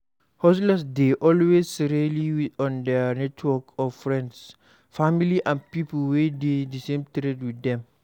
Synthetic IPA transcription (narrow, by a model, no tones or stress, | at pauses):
hɔs̬lasdeʔɔlwesɹeliwiɔ̃ndənɛtʰwɔkɔfɹɛ̃nds | familiʔãnpipəlwededəsẽmtɾedwiθdɛ̃m